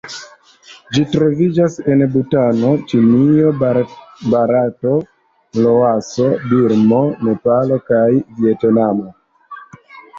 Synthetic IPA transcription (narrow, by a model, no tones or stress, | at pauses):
d͡ʒitɾo̞vid͡ʒase̞nbutano̞t͡ʃinio | baɾato̞ | lo̞asobiɾmo̞ne̞palo̞kajvietnamo